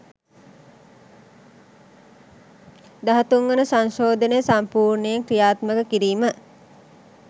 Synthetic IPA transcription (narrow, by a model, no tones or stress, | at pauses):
d̪aɦɐt̪uŋɡənəsaŋʃoːd̪ʱənəjəsampuːrnəjeŋkrijaːt̪məkəkiɾiːmə